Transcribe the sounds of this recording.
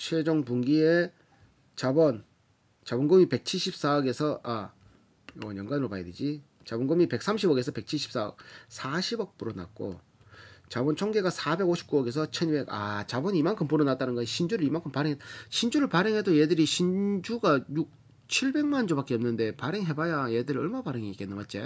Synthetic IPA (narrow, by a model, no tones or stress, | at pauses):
ɕʰed͡ʑʌŋpuŋɡie̞ | t͡ɕabʌn | t͡ɕabʌnɡɯmipe̞k̚t͡ɕʰiɭɕʰip̚s͈aʌɡe̞sʰʌʔa | jʌjʌŋɡanɾopaided͡ʑi | t͡ɕabʌnɡɯmipe̞k̚s͈ʰamɕʰibʌɡesʰʌpe̞k̚t͡ɕʰiɭɕʰi̥ps͈aʌ̰k̚sʰaɕʰibʌk̚p͈uɾʌna̰k̚k͈o̰ | t͡ɕabʌnt͡ɕʰʌŋɡe̞ɡasʰabe̞ɡoɕʰi̥p̚k͈uʌɡe̞sʰʌt͡ɕʰʌnibe̞ɡa̰t͡ɕabʌnimaŋkʰɯmpuɾʌnat͈anɯnɡʌɕʰind͡ʑuɾɯɭimaŋkʰɯmpaɾeɦetaɕʰind͡ʑuɾɯɭpaɾeŋɦe̞dojedɯɾiɕʰind͡ʑuɡajuk̚ | t͡ɕʰiɭbe̞ŋmand͡ʑopak͈eʌmnɯnde̞paɾeŋɦe̞bajajedɯɾiʌɭmapaɾeŋiik͈enːɯmat̚t͡ɕ͈e